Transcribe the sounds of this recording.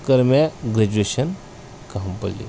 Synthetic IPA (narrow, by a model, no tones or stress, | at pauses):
kəɾmaɡɾɐd͡ʑueɕən | kampəlḭ